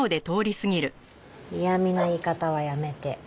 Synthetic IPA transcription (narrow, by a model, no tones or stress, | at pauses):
od̪e̞t̪o̞ːɾʲisɨɡʲiɾɯ̟ | ijamʲinaikat̪aβajame̞t̪e̞